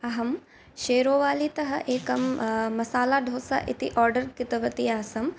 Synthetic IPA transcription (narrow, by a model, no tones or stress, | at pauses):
ɐɦɐm | ʃeːɾoːʋaːlit̪ɐɦɐʔeːkɐmːɐsaːlaːɖʱoːsa̰ːʔit̪ḭʔɔːɾɖɐɾkɪt̪ɐʋɐt̪iaːsɐm